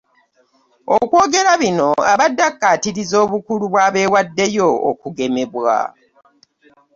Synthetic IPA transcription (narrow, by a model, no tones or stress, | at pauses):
okwo̞ːɡe̞ɾaβino̞aβadːakːatiɾizo̞ːβukuluβwaːβe̞ːwadːe̞jo̞̰ːkuɡe̞me̞βwa̰